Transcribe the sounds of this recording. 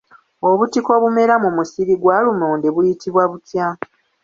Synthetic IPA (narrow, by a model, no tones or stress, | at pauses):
o̞βutiko̞βume̞ɾamumusiɾiɡwaːlumoːndeβujitʰiβwaβutja